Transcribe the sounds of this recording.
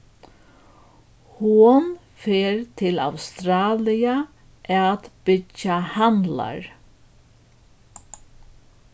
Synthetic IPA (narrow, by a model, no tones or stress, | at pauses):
hun | feːɾt̪ʰɪla̰wst̪ɾɑːlɪa | ʔat̪b̥ʏt͡ʃahanla̰ɹ